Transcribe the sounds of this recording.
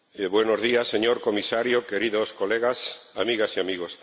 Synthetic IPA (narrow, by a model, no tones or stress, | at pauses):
βwenozðiasːeɲoɾkomisaɾjokeɾiðoskoleɣasa̰miɣasiamiɣos